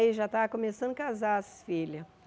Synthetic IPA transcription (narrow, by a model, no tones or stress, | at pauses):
iʒat̪akomesɐ̃nd̪ʊkazaɐsfilɐ